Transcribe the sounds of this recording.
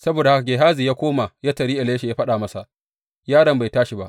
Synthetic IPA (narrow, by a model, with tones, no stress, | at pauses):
sɐ˦boː˨da˨ha˦ka˨ɡʲe˨ɦaː˦zi˨jaː˦kʷoː˦ma˨ja˦tɐ˨ɾiː˦ʔa˨leː˦ʃe˨jaː˦ɸɐ˦ɗaː˨mɐ˦sa˨ʔ | jaː˦ɽɐ˨mba˨jtaː˦ʃi˨ba˦ʔ